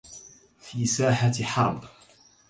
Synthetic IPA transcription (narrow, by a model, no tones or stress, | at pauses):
fiːsaːħaħɑ̰ɾˤb